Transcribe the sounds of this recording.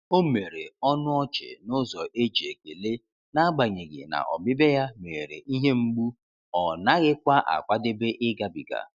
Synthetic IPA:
o˦me˨ɾe˨ɔ˦nʊ˦ɔ˦t͡ʃɪ̰˨nʊ˦zɔ˨ʔe˦d͡ʒe˨ke˨le˦ | na˦a˦ɡ͡ba˨ɲe˨ɡɪ̰˨na̰˨ʔɔ̰˨bɪ˦be˦ja˦me˨ɾḛ˨ʔi˦ɦe˦ŋ͡m̩˦ɡ͡bu˦ | ɔ˨na˦ɣɪ˦kʷa˦ʔa̰˨kʷa˦dɪ˦be˦ʔɪ˦ɡa˦bi˨ɡa̰˨

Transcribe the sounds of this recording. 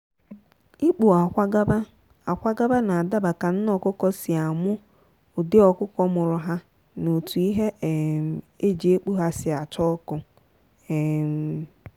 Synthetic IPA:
i˦k͡pu˨a˨kʷa˦ɡa˦ba˦ | a˨kʷa˦ɡa˦ba˦na˨a˨da˦ba˨ka˨n̩˦nɔ˨kʊ˦kɔ˦sɪ˨a˨mʊ˦ | ʊ˨dɪ˦ɔ˨kʊ˦kɔ˦mʊ˨ɾʊ˨ɦa˦ | no˨tu˨i˦ɦe˦˨m˨ | e˦d͡ʒi˨e˦k͡pu˦ɦa˦sɪ˨a˨t͡ʃɔ˦kʊ˦˨ | m˨

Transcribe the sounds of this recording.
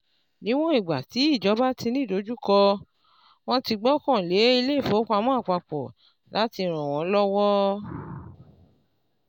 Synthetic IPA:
nĩ˦w̃ɔ̃˦i˦˨ɡ͡ba˨ti˨˦i˦˨d͡ʒɔ˨˦ba˦ti˧nĩ˦˨do˨˦d͡ʒu˦kɔ˧ | w̃ɔ̃˦ti˧ɡ͡bɔ˦kɔ̃˦˨le˨˦i˧le˦i˦˨fo˨˦ka˧mɔ̃˦a˦˨k͡pa˧k͡pɔ˨ | la˨˦ti˧˨ɾ̃ɔ̃˨w̃ɔ̃˨˦lɔ˦wɔ˦

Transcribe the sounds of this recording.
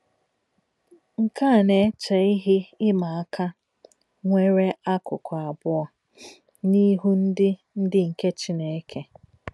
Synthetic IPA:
ŋ̩˨ka˦˨ne˨˦t͡ʃe˨i˦ɦɪ˦ɪ˦ma˨a˦kʰa˦ | ŋʷe˦ɾe˦a˦kʊ˨kʷɔ˨a˨bʊ˦ɔ˨ | ni˦ɦu˦n̩˦dɪ˦ | n̩˦dɪ˦ŋ̩˨ke˦t͡ʃi˦ne˨˦kʰe˦

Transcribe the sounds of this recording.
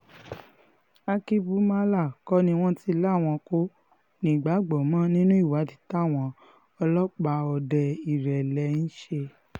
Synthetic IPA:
a˧ki˦bu˦ma˦la˦˨kɔ˦nĩ˧w̃ɔ̃˦ti˦la˦˨w̃ɔ̃˧ko˦ | nĩ˨ɡ͡ba˨˦ɡ͡bɔ˨mã˦nĩ˦nũ˦i˦˨wa˨˦ti̥˧˦ta˦˨w̃ɔ̃˧ | ɔ˧lɔ˦k͡pa˧ɔ˧dɛ˧i˨ɾɛ˨lɛ˧˦n̩˦ʃe˧

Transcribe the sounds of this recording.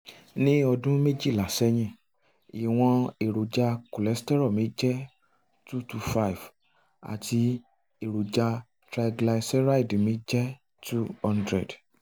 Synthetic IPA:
nĩ˦ɔ˧dũ˦me˦d͡ʒi˦˨la˨sɛ˦j̃ɛ̃˦˨ | i˨w̃ɔ̃˧e˨ɾo˨d͡ʒa˧ku˨lɛ˨˦stɛ˦ɾɔ˦˨mĩ˨˦d͡ʒɛ˦ | tu˦tu˧fa˦i˨v | a̰˨ti˧ | e˦˨ɾo˨d͡ʒa˧ | tɾa˧ɡla˧sɛ˦ɾa˦i˦˨di˨mĩ˨˦d͡ʒɛ˦ | tu˦hɔ̃˧ndɾɛ̰˨d

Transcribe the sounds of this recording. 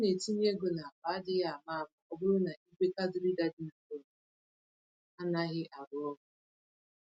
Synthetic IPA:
ne˨ti˦n˦e˦ɡo˨na˨a˨ba˨˦dɪ˦ɣa˨ma˦˨ba˨ɔ˦bʊ˦ɾʊ˦na˨i˦kʷe˦ka˦dʊ˨˦ɾi˦da˦dɪ˦na˨bo˦˨mʊ˨ | a˦na˦ɣɪ˦ʔa˨ɾʊ˦ɔ˦ɦʊ˦

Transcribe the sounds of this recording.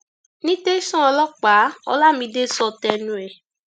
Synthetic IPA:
nĩ˦te˦sɔ̃˦ɔ˧lɔ˦k͡pa˨˦ɔ̰˧la˦˨mĩ˧de˦sɔ˧˨tɛ˧˨nũ˧˨ɛ˨

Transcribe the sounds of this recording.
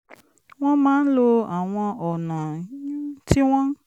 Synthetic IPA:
w̃ɔ̃˦mãː˦n̩˦lo˧a˨w̃ɔ̃˧ɔ˨nã˨˦ | ti˦w̃ɔ̃˦

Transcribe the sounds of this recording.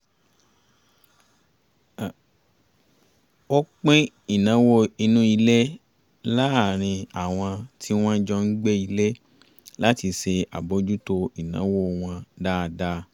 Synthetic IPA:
o˦k͡pẽ˦ | i˦˨nã˨˦wo˦i˧nũ˦i˧le˦ | la˦a˨ɾ̃ĩ˧a˨w̃ɔ̃˧tʰi˦w̃ɔ̃˦d͡ʒɔ˧n̩˦ɡ͡be˦i˧le˦ | la˦ti˧ʃe˧a̰˨bo˨˦d͡ʒu˦to˧i˨nã̰˨˦wo˦˧w̃ɔ̃˧da˦˧da˦

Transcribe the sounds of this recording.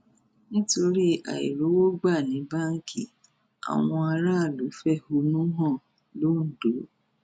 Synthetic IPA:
nĩ˦to˧ɾi˦a̰˨ḭ˨ɾo˨˦wo˦ɡ͡ba˦˨nĩ˨˦ba˦ŋ̩˦kʰi˦˨ | a̰˨w̃ɔ̃˧a˧ɾa˦˨lu˨˦fɛ˦˨ho˧nũ˦ɦɔ̃˦˨ | lo˦n̩˨do˨˦

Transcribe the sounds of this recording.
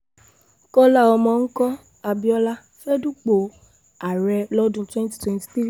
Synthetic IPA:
kɔ˦la˦˨ɔ˧mɔ̃˨˧ŋ̩˦kɔ˦ | a˧bi˦ɔ˦la˦ | fɛ˦du˦k͡po˨ | a˨ɾɛ˧lɔ˦dũ˧˦twɛ̃˦n˦ti̥˦twɛ̃˦nti̥˨ti˦ɾ

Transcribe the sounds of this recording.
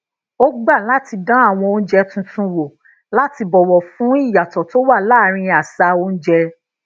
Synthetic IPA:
o˦ɡ͡ba˦˨la˦ti˧dã˦a˦˨w̃ɔ̃˧õ˧˦d͡ʒɛ˧tũ˧tũ˧wo˨ | la˦ti˧bɔ˨wɔ˨fũ˨˦i˦˨ja˨tɔ˨to˨˦wa˦˨la˦˨˦ɾ̃ĩ˧a˨sa˧o˦n̩˦d͡ʒɛ˧

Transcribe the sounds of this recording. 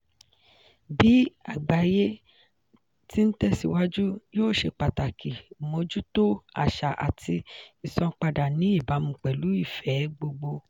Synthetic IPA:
bi˨˦a˦˨ɡ͡ba˨je˦ | ti˦n̩˦tɛ˦si˧wa˦d͡ʒu˦joː˦˨ʃe˧k͡pa˨ta˨kʰi˨mõ˧d͡ʒu˦to˦a̰˨ʃa˨ʔa̰˨tʰi˧i˨sɔ̃˧k͡pa˧da˨nĩ˨˦i˦˨ba˨˦mũ˨k͡pɛ˨lu˨˦i˦˨fɛ˨˦ɡ͡bo˧ɡ͡bo˧

